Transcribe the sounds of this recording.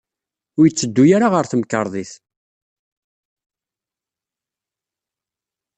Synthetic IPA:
ʊɾjət͡sːəd̪ːujaɾaʁəɾθəməkːəɾˤðˤiθ

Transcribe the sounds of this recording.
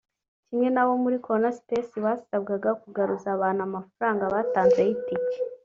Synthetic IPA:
cimɲe̞nawo̞muɾikoɾonaspesiβasabɡaɡakuɡaɾuzaβaːn̥uamafuɾaːŋɡaβaːtaːnzejitice̥

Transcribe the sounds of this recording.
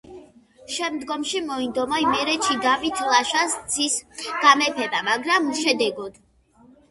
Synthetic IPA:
ʃɛmd̪ɡɔmʃimɔind̪ɔmɔimɛɾɛt͡ʃʰid̪avit̪ʰlˠaʃassʰisɡ̥amɛpʰɛbamaɡɾamʃɛd̪ɛɡɔd̪̥

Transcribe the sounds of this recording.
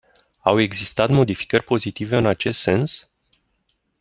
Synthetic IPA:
awe̞ɡzist̪at̪mo̞d̪ifi̥kərʲpo̞zit̪ive̞ɨnat͡ʃe̞st̪se̞ns

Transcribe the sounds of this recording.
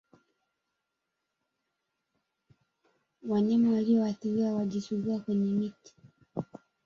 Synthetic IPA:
waɲamawaliɔwaθiɾiawaʄisuɡuakwɛɲɛmiti̥

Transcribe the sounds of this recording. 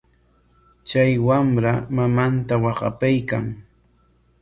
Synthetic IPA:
t͡ʃajwamɾamamant̪awɑɢɑ̰pajkaŋ

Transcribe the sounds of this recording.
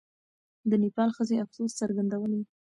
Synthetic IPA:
d̪ənipɑlxəzeafsost͡saɾɡand̪awəniwi

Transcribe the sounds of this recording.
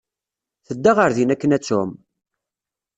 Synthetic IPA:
θəd̪ːaʁəɾðinækːənæt͡sːʊm

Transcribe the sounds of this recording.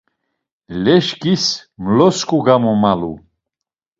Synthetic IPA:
lɛʃkʰʼismlɔskʼuɡamɔmalṵ

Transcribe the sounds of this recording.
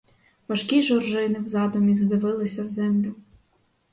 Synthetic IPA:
ʋɐʃkʲiʒɔrʒɪnɪwzɑd̪ɔmʲizd̪ɪʋɪlˠɪsʲɐwzɛmlʲʊ

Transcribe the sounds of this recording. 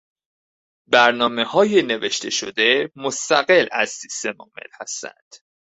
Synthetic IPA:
bæɾnɒːme̞hɒːjene̞ve̞ʃt̪ʰe̞ʃo̞d̪e̞most̪æɣelæ̰z̥sist̪e̞mɒːme̞̰lhæst̪æ̰nd̪̥

